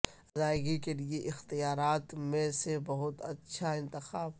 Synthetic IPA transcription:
zaːjɡikelieʔɪxt̪ijaːɾaːt̪mẽsebɐɦʊt̪ɐtːʃʰaɪ̃nt̪ɪxaːb

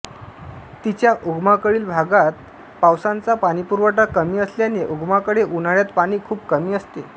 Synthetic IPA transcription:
t̪it͡ɕjaʔuɡmakəɭiːlbʱaɡat̪̚ | pawsant͡sapaɽ̃ipuɾʋəʈakəmiːəsljaneʔuɡmakəɽeʔunaɭjat̪paɽ̃iːkʰuːpkəmiːəst̪e

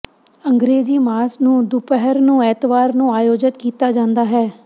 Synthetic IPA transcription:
ə̃ŋɡɾeːd͡ʒiːmaːsnũːd̪upəɦəɾnũːɛːt̪ʋaːɾnũːaːjoːd͡ʒɪt̪kiːt̪aːd͡ʒãːnd̪aːɦɛː

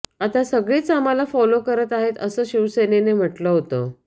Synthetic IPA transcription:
at̪asəɡɭiːt͡samalafɔlokəɾət̪aɦet̪əsəːɕiʋsenenem̤əʈləɦot̪ə

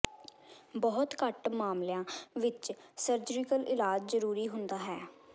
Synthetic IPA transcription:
bɔːʊt̪kəʈmaːmljãːʋɪt͡ʃsəɾd͡ʒəɾɪkəlɪlaːd͡ʒzəɾuːɾiːɦʊnd̪aːɦɛː

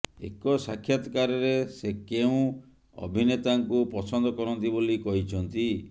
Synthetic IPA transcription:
ḛkɔsakʰjat̪ɔkaɾɔɾesekeũ | ɔ̰bʱinet̪aŋkupɔsɔnd̪ɔkɔɾɔnt̪ibolikɔɦit͡ʃʰɔnt̪i

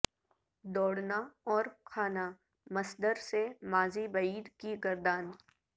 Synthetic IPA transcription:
d̪ɔːɽnaɔːɾkʰaːna | mɐsd̪əɾsemaːzibɐiːd̪kiɡɐɾd̪aːn

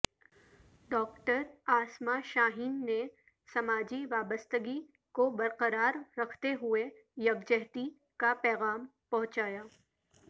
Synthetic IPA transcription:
ɖɔːkʈəɾaːsmaʃaːɦiːnːe | sɐmaːd͡ʒiʋaːbəst̪əɡi | kobɐɾqəɾaːɾːɐkʰt̪eɦʊe | jɐbd͡ʒɛɦt̪i | kapɛːɣaːmpɐ̃ɦʊ̃t͡ʃaːjaː

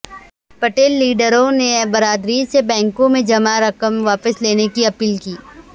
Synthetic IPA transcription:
pɐʈeːlːiːɖəɾõnebɐɾaːd̪ɾisebɛ̃ːŋkõmẽd͡ʒɐmaɾɐkəmʋaːpəsleːnekiɐpiːlkiː

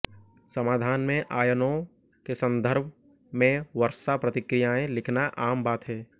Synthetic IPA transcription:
səmaːd̪ʱaːnmẽʔaːjənõ | kesə̃nd̪ʱəɾbʱ | mẽʋəɾsapɾət̪ɪkɾɪjaẽlɪkʰnaʔaːmbaːt̪ɦɛː

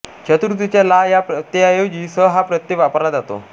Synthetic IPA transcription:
t͡ɕʰət̪uɾut̪it͡ɕjalajapət̪jeajeʋd͡ʑiːsəɦapɾət̪jeʋapəɾad͡zat̪o̰

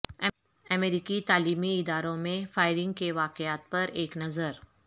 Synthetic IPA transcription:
ɐmeːɾiːkit̪aːliːmiɪd̪aːɾõmẽfaːɪɾɪ̃ŋɡ̚keʋaːqɪaːt̪̚pɐɾeːknɐzəɾ

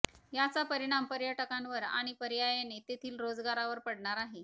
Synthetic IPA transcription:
jat͡sapəɾiɽ̃ampəɾjəʈəkãnʋəɾa̰ɽ̃ipəɾijajenet̪et̪ʰiːlɾod͡zɡaɾaʋəɾpəɽɳaɾaɦe

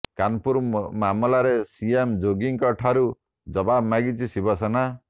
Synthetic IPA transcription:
kanpuɾmamɔlaɾesiemd͡ʒoɡiŋkɔʈʰaɾu | d͡ʒɔbabmaɡit͡ʃʰisibɔsɔna

